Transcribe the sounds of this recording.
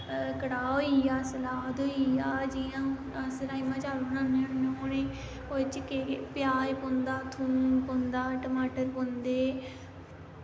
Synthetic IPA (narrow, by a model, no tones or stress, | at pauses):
kəɽaːɦoiaːsəlaːt̪oiaːd͡ʒiãː | səɾaːimãːt͡ʃaːɾonãːnẽnnẽoːnẽː | ot͡ʃkepɪjaːjpõːnd̪aːt̪ʰũːpõnd̪aːʈəmaːʈəɾpõnd̪eː